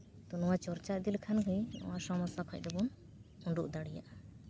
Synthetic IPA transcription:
t̪ɔnɔwat͡ʃɔɾt͡ʃaʔ̚d̪ilkʰanɡujɔ̰̃wasɔmɔsakʰɔc̚d̪ɛbun | uɳɖuʔd̪aɽija̰ʔa

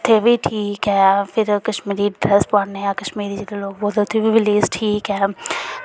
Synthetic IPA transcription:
ʊt̪ʰːeːbʱiːʈʰiːkɛːpʰɪɾkəʃmiːɾiːɖɾɛspaːneːaːkəʃmiːɾid͡ʒeɽeloːɡʋoːd̪ot̪ʰːebiːʋɪleːsʈʰiːkɛː

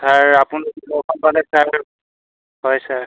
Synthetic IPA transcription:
sʰaɹapunilɔkʰɔnpalɛsaɹ | hɔjsaɹ

